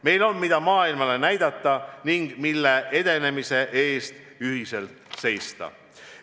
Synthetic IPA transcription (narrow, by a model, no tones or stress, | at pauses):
me̞jlo̞nmid̪̥ɑmɑːilmɑle̞næjd̪̥ɑt̪ːˑɑniŋɡ̥milːe̞ʔe̞d̪̥e̞ne̞mise̞ʔe̞ːst̪ | yɦise̞lt̪se̞jst̪ɑ̰